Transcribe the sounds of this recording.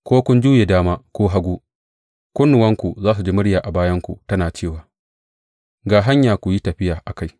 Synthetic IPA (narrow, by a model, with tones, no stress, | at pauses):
kʷoː˦kʷʊ˦nd͡ʒuː˦je˨daː˦maː˦kʷoː˦ɦa˦ɡʷuː˦ | kʷʊ˦nːʊ˨wɐ˦ŋkʷu˨zaː˦s̬u˨d͡ʒiː˦mʊ˦ɽjaː˨ʔa˨baː˦jɐ˦ŋkʷṵ˨tɐ˦naː˨t͡ʃeː˦˨waː˨ | ɡaː˨ɦa˦ɲjaː˨kʷu˨ji˦tɐ˨ɸɪ˦jaː˨ʔa˨ka˦˨j